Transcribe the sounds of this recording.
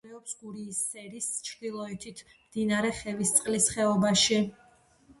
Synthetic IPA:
ɛɔpsɡuɾiːsːɛɾist͡ʃʰd̪ilˠɔɛt̪ʰit̪ʰ | md̪̥inaɾɛχɛvist̪sʼqʼlisχɛɔbaʃi

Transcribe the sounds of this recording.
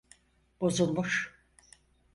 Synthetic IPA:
b̥o̞zulˠmuʃ

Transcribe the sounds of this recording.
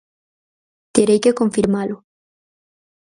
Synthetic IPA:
t̪eɾejkekõɱfiɾmalo

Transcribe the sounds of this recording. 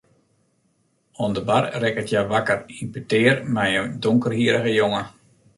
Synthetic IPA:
ɔndəbarrɛkətʰjaʋakərinpətɪːərmɛjəndoŋkərɦiəɾəɣəjoŋə

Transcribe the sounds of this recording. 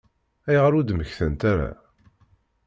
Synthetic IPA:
æjʁɾud̪məçθənt̪æɾa̰

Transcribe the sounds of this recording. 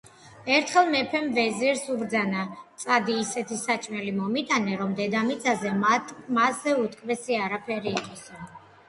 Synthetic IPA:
ɛɾt̪ʰχɛlˠmɛpʰɛmvɛziɾsubɾd̪zanat̪sʼad̪iːsɛt̪ʰisat͡ʃʼmɛlimɔmit̪ʼanɛɾɔmd̪ɛd̪amit̪sʼazɛmasːɛut̪ʰkʰʼvɛsiaɾapʰɛɾiːqʼɔsa

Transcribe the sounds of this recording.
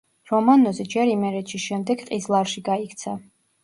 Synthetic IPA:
ɾɔmanɔzɛd͡ʒɛɾimɛɾɛt̪ʃisʃɛmd̪ɛɡqʼizlˠaɾʃiɡaikʰt̪sʰa

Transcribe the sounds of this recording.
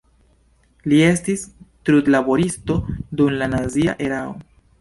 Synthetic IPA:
lie̞stistɾudlabo̞ɾisto̞dumlanazia̰ʔe̞ɾao̰

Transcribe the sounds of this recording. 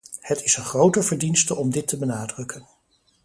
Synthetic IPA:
hətɪsənχrowtəɹvəɹdinstəʔɔmdɪtʰəbənaːdrɵkən

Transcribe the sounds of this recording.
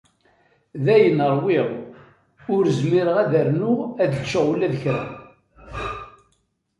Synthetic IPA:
ðæjənəɾˤwɪʁ | ʊɾzmiɾəʁæðæɾnuæðət͡ʃːəʁulːæðəçɾæ̰m

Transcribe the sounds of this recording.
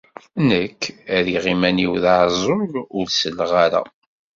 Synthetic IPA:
nəkʰːæðiʁimæniwðaʕzˤoɾˤʊɾsəlːʁaɾa̰

